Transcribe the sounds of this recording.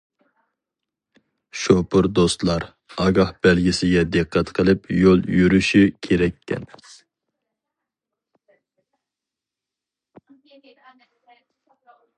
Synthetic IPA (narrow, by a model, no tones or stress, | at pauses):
ʃopʰʊɾd̪ost̪lˠɑɾ | ɑɡɑhb̥ɛlɡʲisɪɡʲɛd̪ɨqʰːɛt̪qʰəlˠɪpʰjolˠjyɾyʃykʲʰeɾɛkʲʰːɛ̰n